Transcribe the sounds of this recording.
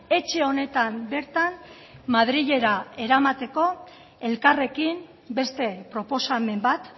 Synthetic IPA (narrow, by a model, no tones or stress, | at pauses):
e̞t͡ʃe̞o̞ne̞t̪ambe̞ɾt̪am | maðɾiʎe̞ɾae̞ɾamat̪e̞ko̞ | e̞lkare̞kim | be̞st̪e̞pɾo̞po̞same̞mbat̪